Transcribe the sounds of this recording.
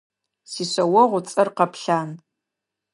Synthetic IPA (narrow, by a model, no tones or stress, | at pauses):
siɕʷɐwɐʁʷʊt͡sʼɨrqɐpʰɬaːn